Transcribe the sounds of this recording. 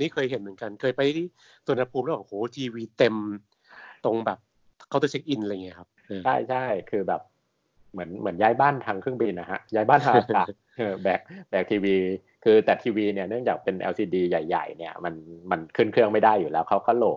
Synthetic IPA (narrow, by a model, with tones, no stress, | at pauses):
a˧niː˦˥˩kʰɤː˧jɦe˩˦nmɯ˩˦nka˧nkʰɤː˧jpa˧j | sʰu˨˧˦nʰa˧pʰu˧mɾwaː˨˩˦ŋhoː˨˩˦t̪ʰiː˧wiː˧t̪e˧m | t̪o˧ŋbɛː˨˩p̚ | kʰt̪ɔ˥˩t͡ɕʰe˦˥k̚ʔi˧nʔa˧ŋi˦˥ɐkʰa˦˥p̚ʔɤː˧t͡ɕʰa˥˩jt͡ɕʰa˥˩jkʰɯː˧bɛː˨˩p̚ | mɯ˩˦ənmɯ˩˦ənjaː˦˥jbaː˥˩nt̪ʰa˧ŋkʰɾɯ˥˩ŋbi˧nːa˦˥ha̰˦˥ʔjaː˦˥jbaː˥˩t̪ʰaː˧a˨˩ | ʔɤː˧bɛː˨˩k̚bɛː˨˩k̚t̪ʰiː˧wiː˧ | kʰɯː˧t̪ɛː˨˩t̪ʰiː˧wiː˧ni˥˩ənɯ˥˩əŋt͡ɕaː˨˩k̚pe˧nʔɛ̰˧wsiː˧diː˧ja˨˩jːa̰˨˩jni˥˩ɐma˧nma˧nkʰɯː˥˩nkʰɾɯ˥əŋma˥˩jdaː˥˩jːuː˨˩lɛː˦˥wkʰa˦˥wkʰɔː˥˩loː˨˩k̚